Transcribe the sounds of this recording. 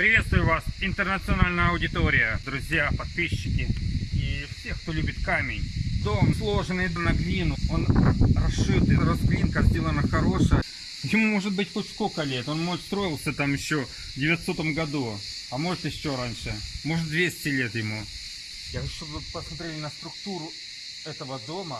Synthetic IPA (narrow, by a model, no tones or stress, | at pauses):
pɾʲɪvʲe̞t̪st̪vʊjʊvasɪnt̪ərnət̪sɨɐnalʲnəjəɐʊdʲɪt̪o̞ɾʲɪjəd̪ɾʊzʲjapɐt̪̚pʲiɕːɪkʲɪifsʲe̞xkt̪olʲubʲɪt̪kamʲɪnʲzomzlˠo̞ʐɨnəɪd̪nɐɡlʲinʊo̞nrɐʂɨt̪ɨɾozɡlʲinkəzʲdʲelˠənəxɐɾo̞ʂəjə | jɪmumo̞ʐɨt̪̚bɨtʲxotʲskokəlʲe̞t̪o̞nmost̪ɾo̞jɪlˠsʲət̪amjɪɕːo̞ | vdʲɪvʲɪɐt̪sot̪əmɡɐd̪u | ɐmo̞ʐɨt̪jɪɕːo̞ɾanʲʂɨmo̞ʐɨt̪̚d̪vʲesʲɪ̥t̪ʲɪlʲe̞t̪jɪmu | jaɪɕːopəsmɐt̪ɾʲelʲɪnəst̪ɾʊkt̪uɾʊ | ɛt̪əvəd̪omə